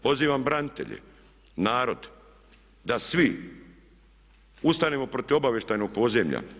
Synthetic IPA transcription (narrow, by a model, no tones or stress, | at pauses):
po̞ziːʋambɾanit̪e̞̰ʎḛ | naːɾo̞d̪ | d̪asʋi | ust̪anemo̞pɾo̞t̪iʋo̞baʋje̞ʃt̪ajnoɡ̚po̞zemʎa̰